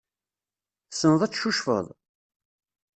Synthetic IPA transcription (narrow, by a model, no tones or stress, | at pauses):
sənðˤæt͡sːʃuʃfə̰ðˤ